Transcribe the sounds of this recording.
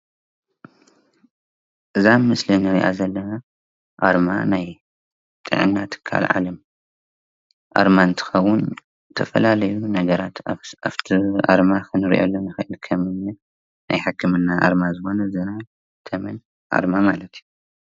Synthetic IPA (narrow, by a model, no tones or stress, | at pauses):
ʔɨzamɨslinɨɾḭʔa̰zɐlːɐna | ʔaɾmanaj | t̪ʼɨ̰ʕɨ̰nːat̪ʰɨ̥kʰːa̰lʕa̰lɐm | ʔa̰ɾmant̪ʰɨ̥xɐwːʊn | t̪ʰɐ̰fɐ̰lalɐjunɐɡɐɾat̪aft̪ʰiʔa̰ɾmakɨnɨɾḭʔo̰lːonɨxɨʔɨlkʰɐmɨnːɨ | najħakːɨmɨnːaʔa̰ɾmazɨxo̞nɐzɨna | t̪ʰɐmɐn | ʔa̰ɾmamalɐt̪ʰju